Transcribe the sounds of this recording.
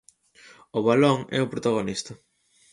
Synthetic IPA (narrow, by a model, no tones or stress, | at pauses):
oβaloŋɛ̰ʊpɾot̪aɣ̞onist̪ɐ